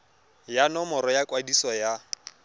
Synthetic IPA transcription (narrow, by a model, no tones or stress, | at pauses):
janɔmɔɾɔjakwadisɔja